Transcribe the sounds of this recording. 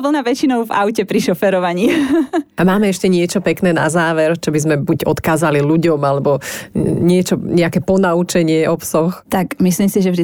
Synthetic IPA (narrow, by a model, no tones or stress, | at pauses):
ʋl̩naʋɛt͡ʃinɔʊva̰ʊcɛpɾiʃɔfɛɾɔʋaɲi | amaːmɛɛʃcɛɲɪɛt͡ʃɔpɛknɛːna̰zaːʋɛɾt͡ʃɔbizmɛbuɟɔt̪kaːzaliluɟɔmalɛbɔɲɪɛt͡ʃɔɲɛakɛpɔnaut͡ʃɛɲɪɛʔɔpsɔxt̪akmislimsiʒɛvʒd̪i